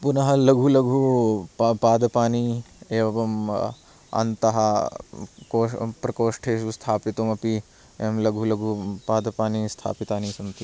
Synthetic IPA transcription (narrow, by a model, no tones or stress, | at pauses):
punɐɦɐlɐɡʱulɐɡʱuppaːd̪ɐpaːnieːʋɐʋɐm | ɐ̰nt̪ɐɦɐ | koːpɾɐkoːʂʈʰeːʃust̪ʰaːpit̪omɐpi | emlɐɡʱulɐɡʱupaːd̪ɐpaːnist̪ʰa̰ːpit̪aːnisɐnt̪i